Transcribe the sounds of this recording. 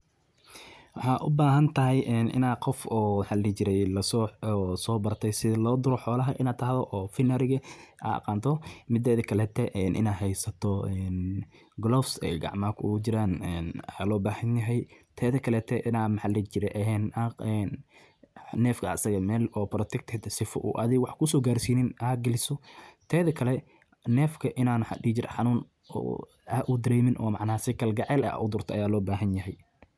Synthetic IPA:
wɑħɑːʔʊbaːɦɐnt̪ʰɐɦɛjʔɛːnʔɪ̰naːqɔfɔːmħɑlɪt͡ʃɪɾɛjlɐsɔsɔːbɐrt̪ʰɛjsɪðɐlɔːd̪ʊɾɔħɔːlɐɦɐʔɪnaːt̪ʰɐhðɔʔɔːfɪnɐɾɪɣɐʔa̰ɑ̰qɑːnt̪ʰɔmɪd̪ɛːðɐkʰɐlɛːt̪ʰɛʔɛːnʔɪ̰naːɦɛjsɐt̪ʰɔɛn | ɡlɔːfsɛ̰jɡɑ̰ʕmaːkʰʊʊɣʊt͡ʃɪɾaːnɛːnħaːlɔːbaːhɐnjɐɦɛjt̪ʰɛːðɐkʰɐlɛːt̪ʰɛʔɪnaːmħalɐt͡ʃɪɾɛʔɛɛnaqɛn | nɛːfkʰɐɐsɐɣɐmɛːlɔːpɾɔt̪ʰɛk̚t̪ʰɛt̪sɪfɔ̰ʔṵʔɐðɪwɑħkʰʊsɔːɡaːrsiːnɪnɐɡɐlɪsɔt̪ʰɛːðɐkʰɐlɛ | nɛːfkʰɐʔɪnaːnħɑ̰ɗiːt͡ʃɪɾʔħɑnuːn | ɔ̰ː | ɐʔʊd̪ɐɾɛjmɪnʔɔ̰ːmɑʕnaːsɪkʰɐlɡɑʕɛːlɐ̰ʔʊd̪ʊrt̪ʰɔʔɐjaːlɔːbaːɦɐnjɐɦɛj

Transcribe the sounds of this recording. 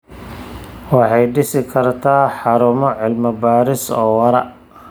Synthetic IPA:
wɑħɑjɖɪsɪkʰɐrt̪ʰaːħɑɾʊmɔʕɪlmɐbaːɾɪsɔːwɐɾɐ̰

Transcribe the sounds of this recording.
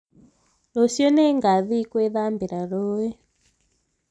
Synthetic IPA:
losjɔnɛŋɡaðikwɛðambiɾaɺɔɛ

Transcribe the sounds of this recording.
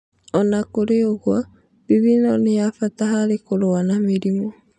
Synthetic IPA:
ɔnakoɾeoɣwa | βiβinɔnejafataɦaɾekoɾoanameɾimɔ

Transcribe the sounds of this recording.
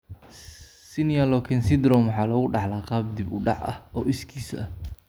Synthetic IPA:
sɪnijɐlɔkʰɛnsɪd̪ɾɔmwħɑːlɐɣʊɖɑħlaːqɑːb̚d̪ɪbʊɖɑ̰ʕʔɐ̰hɔːʔɪskʰiːsɐ̰

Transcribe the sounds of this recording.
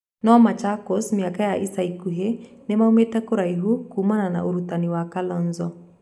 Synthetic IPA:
nɔmat͡ʃakɔsmiakajaʔisaikuɦenɛmaumetakuɾaiɦukumanana̰ʔoɾutaniwakalɔnzɔ

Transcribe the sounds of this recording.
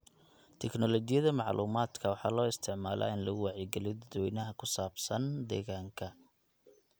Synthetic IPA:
t̪ʰɛknɔlɔt͡ʃɪjɐðɐmɑʕlʔṵːmaːd̪kʰɐwɑħɑːlɔːɪst̪ʰɪʕmaːlʔa̰ːɪnlɐɣʊwɑʕjɪɡɛlɪjɔd̪ɐd̪wɛjnɐɦɐkʰʊsaːbsɐnd̪ɛ̰ːɣaːŋkʰɐ

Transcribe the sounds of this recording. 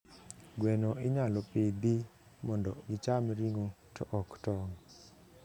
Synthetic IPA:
ɡwɛnoɪɲalɔped̪i | mɔndɔɡɪt͡ʃamɾiŋo | tɔ̰ʔɔktɔŋ

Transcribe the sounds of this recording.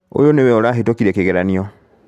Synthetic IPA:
o̰jonewɛoɾaɦetokiɾɛkeɣeɾaniɔ

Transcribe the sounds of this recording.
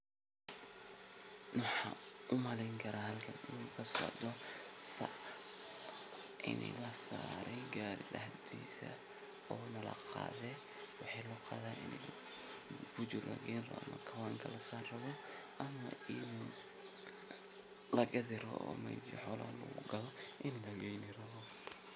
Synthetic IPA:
nʊħɑʊmɐlɛjŋkʰɐɾaːhɐlkʰɐnɪnukʰɐsɔ̰ʕd̪ɔsɐ̰ʕ | ʔɪ̰nɛ̰lɐsaːɾɛjɡaːɾɪd̪ɐhd̪ʰiːsɐ̰ | ɔːnɐlɐ̰qɑ̰ːðɛː | wɑħɑjlʊqɑ̰ːðaːnɪ̰nɛ̰ | b̥ʊt͡ʃʊrɐ̰ɡɛjnrɐ̰ɐ̰mɐ̰kʰɐwaːŋkʰɐlɐsaːrrɐβɔ | ʔɐmɐ̰ɪn | lɐɡɐðɪɾɔ̰ʔɔ̰ːmɐ̰d͡ʒɪ̰ħɔːla̰ːlɔ̰ːɣʊɡɐðɔʔɪnlɐɣɛjnɪrɐβɔ

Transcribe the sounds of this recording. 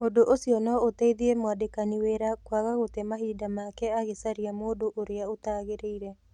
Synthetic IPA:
odoʔosiɔnɔotaiðiɾemwadekaniweːɾakwaɣaɣotemaɦiːdamakɛaɣesaɾiamoːdoʔoɾeaotaɣeɾeiɾɛ

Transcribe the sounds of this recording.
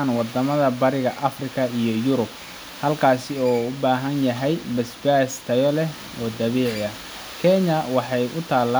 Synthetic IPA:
nwɑd̪ɐmɐðɐbɐɾɪɣɐʔɐfrɪkʰɐijɞjʊɾʊb | hɐlkʰaːsɪɔːʊbaːɦɐnjɐɦɛjbɐsbaːst̪ʰɐjɔlɛ | ɔːd̪ɐβiːʕɪɐ | kʰɛɲɐwɑħɑjʔʊt̪ʰaːlːa

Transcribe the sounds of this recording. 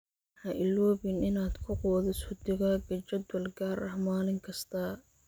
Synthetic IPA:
ħɑʔɪlːɔːβɪnʔɪnaːd̪kʰʊqɔːðɪsʊd̪ɪɣɐɡɐt͡ʃɐd̪wɐlɡaːɾɐhmaːlɪŋkʰɐst̪ʰɐː

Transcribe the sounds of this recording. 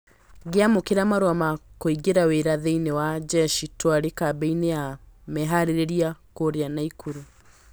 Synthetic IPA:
ɡeamokeɾamaɾwamakoiɡeɾaweɾaðeinewad͡ʒɛʃitwaɾekabɛineamɛɦaɾeɾeɾiakoɾeanaikʰuɾu

